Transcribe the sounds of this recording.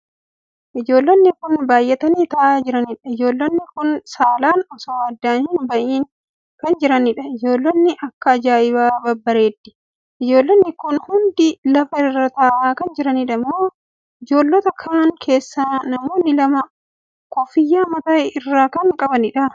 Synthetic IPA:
ʔɪd͡ʒo̞ːlːɐnːɪkʊnbaːjːɛt̪ɐniːt̪ɐʔaːd͡ʒɪɾɐnɪᶑɐɪd͡ʒo̞ːlːɐnːɪkʊnsaːlaːnɔsɔwaːd̪ːaːnhɪnbɐʔiːn | kɐnd͡ʒɪɾɐnɪᶑɐɪd͡ʒo̞ːlːɐnːɪʔɐkːɐːd͡ʒaːʔɪβaːbɐbːɐɾeːt̪ːɪ̥ | ʔɪd͡ʒo̞ːlːɐnːɪkʊnhʊnd̪ɪlɐfɐɪrːɐt̪ɐʔaːkɐnd͡ʒɪɾɐniᶑɐmːoː | ɪd͡ʒo̞ːlːɔt̪ɐkʰaːŋkʰe̞ːsːaːnɐmoːnːɪlɐmɐ | kɔfɪjːaːmɐt̪aːʔɪrːaːkɐŋkʼɐbɐnɪᶑɐ

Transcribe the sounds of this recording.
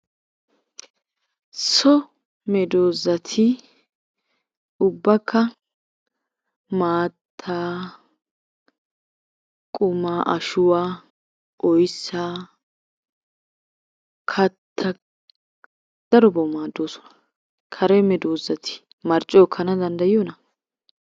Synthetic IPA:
sɔ | mɛd̪oːzɐt̪ʰɪ | ʊbːɐkːɐ | maːt̪ʰːaː | kʼʊmaːʔɐʃʊwaː | ʔɔjsːaː | kʰɐt̪ʰːɐ | d̪̥ɐɾɔbɔmaːd̪ːoːsɔ̥nɐ̥ | kʰɐɾɛmɛd̪oːzːɐt̪ʰɪ̥ | mɐɾt͡ʃʼːɔɔkʰːɐnɐd̪ɐnd̪ɐjɪjɔnɐ

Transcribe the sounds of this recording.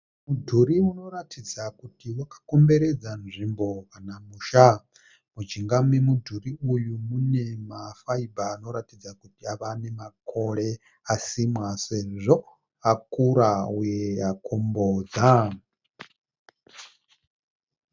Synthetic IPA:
mudʱuɾiuno̞ɾatʰid͡zakutiwakḁko̞mbe̞ɾed͡zanʐimbo̞kanamuːʃa | mut͡ʃiŋɡamwemudʱuriujumune̞mafaibʱaːno̞ɾatid͡zakutiaʋane̞makʰo̞ɺe̞ | asimwase̞ʐo | akuɾaujeakʰombod͡za

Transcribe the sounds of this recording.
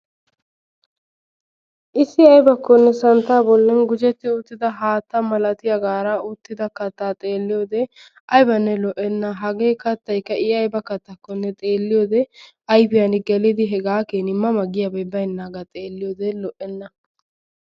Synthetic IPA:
ʔɪsːɪɐjbɐkːɔnːɛsɐnt̪ːaːbɔlːɛnɡʊd͡ʒɛt̪ːɪʊt̪ːɪd̪ɐɦaːt̪ːɐmɐlɐt̪ɪjɐɡaːɾaːʊt̪ːɪd̪ɐkɐt̪ːaːt̪ʼeːlːɪjoːd̪ɛ | ɐjbɐnːɛlɔʔɛnːɐɦɐɡeːkɐt̪ːɐjkːɐʔɪɐjbɐkɐt̪ːɐkːɔnːɛt̪ʼeːlːɪjoːd̪ɛ | ɐjbɪjɐnɪɡɛlɪd̪ɪɦɛɡaːkeːnɪmːɐmɐɡɪjɐbɐjbɐjnːaːɡɐt̪ʼeːlːɪjoːd̪ɛlɔʔɛnːɐ

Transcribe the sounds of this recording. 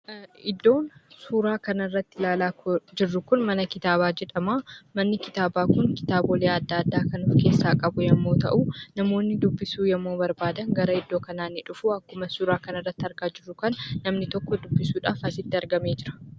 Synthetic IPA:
ɪd̪ːo̞ːnsuːɾaːkɐnɐrːɐt̪ːɪlaːlaːkʊd͡ʒɪrːʊkʊnmɐnɐkɪt̪aːbaːd͡ʒɛᶑɐmaːmɐnːɪkɪt̪aːbaːkʊŋkɪ̥t̪aːboːleːɐd̪ːaːɐd̪ːaːkɐnuːfke̞ːsːaːkʼɐbʊjɛmːo̞ːt̪ɐ̰ʔunɐmo̞ːnːɪd̪ʊbːɪsuːjɛmːo̞ːbɐɾbaːd̪ɐŋɡɐɾɐɪd̪ːo̞ːkɐnaːnːɪᶑʊfuːɐkːʊmɐsuːɾaːkɐnɐrːɐt̪ːɐɾɡaːd͡ʒɪrːʊkɐnːɐmnɪt̪ɔkːɔd̪ʊbːɪsuːᶑaːfɐsɪt̪ːɪɐɾɡɐmeːd͡ʒɪɾɐ̥

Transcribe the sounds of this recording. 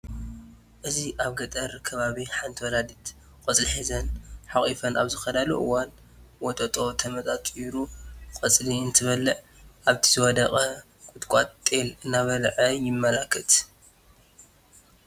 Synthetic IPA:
ʔɨziʔaβɡɐt̪ʼɐɾkʰɐβaβiħant̪ʰwɔlad̪it̪ | kʼɐt͡sʼliħizɐnħaχʼifɐna̰βzɨxɐd̪aluʔɨwan | wɔt̪ʼɐt̪ʼo̞t̪ʰɐmɐt̪ʼat̪ʼiɾukʼɐt͡sʼliɨnt̪ʰɨβɐlːɨʔ | ʔaβt̪ʰizɨwɔd̪ɐqʼɐ | kʼʊt̪kʷʼat̪t̪ʼelɨnːaβɐlʕɐjɪmːɐlakʰːɨt̪

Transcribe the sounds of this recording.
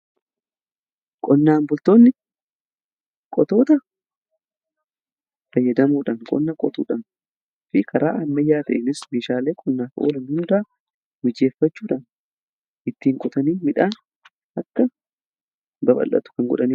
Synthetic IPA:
kʼɔnːaːmbʊlt̪oːnːɪ | kʼɔt̪o̞ːt̪ɐ | fɐjːɐd̪ɐmuːᶑɐnkʼɔ̰nːɐkʼɔt̪ṵːᶑɐn | fɪkʰɐɾa̰ːʔɐmːɐjːaːt̪ɐʔenɪsmeːʃaːleːkʼɔnːaːfʔo̰ːlɐnhʊnd̪aː | mɪd͡ʒeːfːɐt͡ʃːuːᶑɐn | ɪt̪ːiːŋkʼʊt̪ɐniːmɪᶑaːn | ɐkːɐ | bɐbɐ̰lʔːɐ̰t̪ʊ̥kɐŋɡɔ̰ᶑɐniː

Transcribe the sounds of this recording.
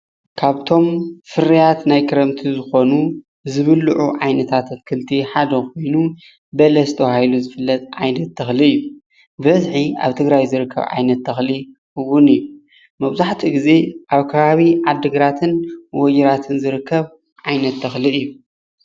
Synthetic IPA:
kʰaβt̪ʰo̞mfɨɾijat̪najkʰɨɾɐmt̪ʰizɨxo̞nu | zɨβɨlːuʕuʕajnɐt̪ʰat̪ʰɐt̪kʰɨlt̪ʰiħad̪ɐkʰo̞jnu | bɐlɐst̪ʰɐwahiluzɨfɨlːɐt̪ʼʕajnɐt̪ːʰɐxliɨjːu | bɐzħia̰βt̪ʰɨɡɾajzɨɾɨkʰːɐ̰βʕa̰jnɐt̪ʰːɐxli | ɨwːʊnɨjːu | mɐβzaħt̪ʰiɡize̞ʔaβkʰɐβaβiʕad̪ːɨɡɾat̪ʰɨnwɔjɛɾat̪ʰɨnzɨɾɨkʰːɐβ | ʕajnɐt̪ːɐxliɨjːu

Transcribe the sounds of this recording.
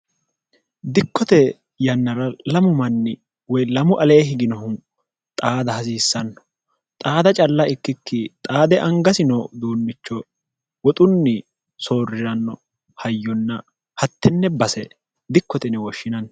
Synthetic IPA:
d̪ɪkːɔt̪ɛ | jɐnːɐɾɐlɐmʊmɐnːɪ | wɔjlɐmʊʔɐle̞ːɦɪɡɪnɔhʊn | t̪ʼaːd̪ɐhɐs̬iːsːɐnːɔ̥ | t̪ʼaːd̪ɐt͡ʃʼɐlːɐɪkːɪkːɪt̪ʼaːd̪ɛʔɐŋɡɐsɪnɔd̪oːnːɪt͡ʃːɔ | wɔt̪ʼʊnːɪ | so̞ːrɪɾɐnːɔ | hɐjːɔnːɐ | hɐt̪ːɪnːɛbɐsɛ | d̪ɪkːɔt̪ɛnɛwɔʃːɪnɐnːɔ

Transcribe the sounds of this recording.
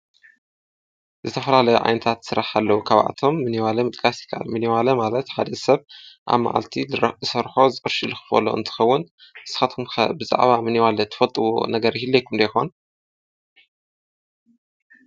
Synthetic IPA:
zɨt̪ʰɐfɐlalɐjuʔʕa̰jnɐt̪ʰat̪sɨɾaħalːɐwukʰaβʔa̰t̪ʰo̞mːɨniwalɐmɨt̪ʼkʰʼasɨ̥kʰaʔa̰lmɨniwalɐmalɐt̪ħa̰d̪ɐsɐβʔa̰βma̰ʕa̰lt̪ʰizɨsɐɾħozɨʔʼɨɾʃɨlɨxɨ̥fɐ̰lo̰ɨ̰nt̪ʰɨ̥xɐwːʊn | ɨsɨ̥xat̪kʰumɐ̰bɨza̰ʕβamɨniwalɐt̪ʰɨ̥fɐlt̪ʼɨwo̰nɐɡɐɾhilːojkʰumd̪ɐjxo̰n

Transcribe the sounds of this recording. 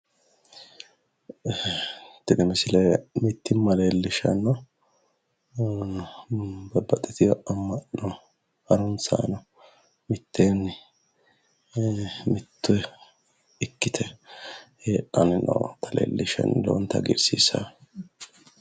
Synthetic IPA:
t̪ːɪd̪ɛmɛsɪlɐmɪt̪ːɪmːɐleːlːɪʃɐnɔ | bɐbːɐt̪ʼːɛt̪ʰɪjɔɐmːɐʔnɔ | hɐɾʊnsa̰ːnɐ | mɪt̪ʰːeːn | mɪt̪ːʊɛ | ɪkːɪt̪ʰɛ | heːʔɐnɪnɐ̰t̪ʰɐlḛːlːɪʃɛ̰nːlo̰wɔnt̪ɐ̰ɡɪ̰ɾsḭsɐ

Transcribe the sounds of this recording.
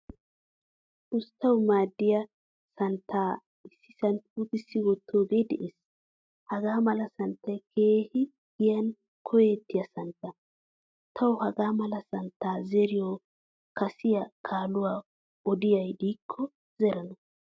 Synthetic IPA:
ʔʊst̪ʰːɐwmaːd̪ːɪjɐ | sɐnt̪ʰːaː | ɪsːɪsɐnt̪ut̪ɪsːɪwɔt̪ʰːoːɡed̪ɛ̰ʔes | hɐɡaːmɐlɐsɐnt̪ːɐjkʰe̞ːhɪ | ɡɪjɐn | kʰɔjet̪ːɪjɐsɐnt̪ːɐ | t̪ʰɐwʊhɐɡaːmɐlɐsɐnt̪ːaːzɛɾɪjo | kɐsɪjɐkʰaːlʊwaː | ɔd̪ɪjɐjd̪iːkʰːɔ | z̥ɛɾɐnɐ

